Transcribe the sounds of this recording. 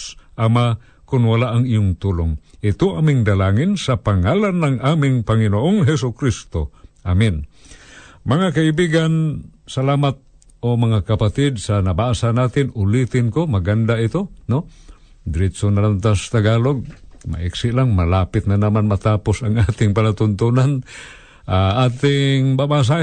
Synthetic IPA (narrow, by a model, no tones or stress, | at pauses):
ʔama | kʊnwalaʔɐŋɪjʊŋt̪uːloŋʔɪt̪oʔamɪŋd̪ɐlaːŋɪnsɐpaŋaːlanːɐŋʔaːmɪŋpɐŋɪnoʔoŋɦɛs̬ʊkɾist̪oʔamɪn | mɐŋakaibiːɡansɐlaːmat̪̚ | omɐŋakapat̪ɪd̪̚sanɐbasanaːt̪ɪnʊlit̪ɪnkomɐɡand̪aɪt̪ono | d̪ɾɪt̪sonalant̪ast̪aɡaːloɡ̚ma̰ʔiksɪʔlaŋmɐlaːpɪt̪̚nanamanmɐt̪aːposɐŋʔaːt̪ɪŋpɐlat̪ʊnt̪unan | ʔaʔaːt̪ɪŋbabas̬a